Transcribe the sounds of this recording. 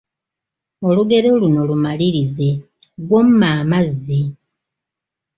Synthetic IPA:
o̞luɡe̞ɾoluno̞lumaliɾize̞ | lwo̞mumaːmazːi

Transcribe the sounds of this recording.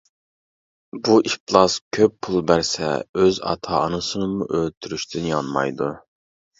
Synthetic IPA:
buʔiplˠɑskʲʰøpʰːulˠbæɾsɛ̰øzɑ̰t̪ʰɑ̰ːnɨsɨnɨmṵʔølt̪ʰyɾyʃt̪ʰynjɑnmɑ̰jd̪u

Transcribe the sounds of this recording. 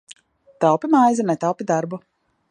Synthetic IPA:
t̪awpʲimajzɨnɛt̪awpʲid̪aɾbu

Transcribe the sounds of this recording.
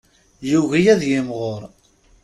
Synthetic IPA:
juɣijæðjɪmʁoɾˤ

